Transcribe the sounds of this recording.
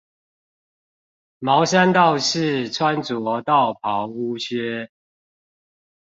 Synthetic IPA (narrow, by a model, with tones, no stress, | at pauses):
mɑ˨˦ʊɕa˦nt̪ɑ˥˨ʊʂɻ̩˥˨t͡sʰwa˦nt͡swɔ˨˦t̪ɑ˥˨ʊpʰɑ˨˦ʊu˦t͡ɕʰɥɛ˥˦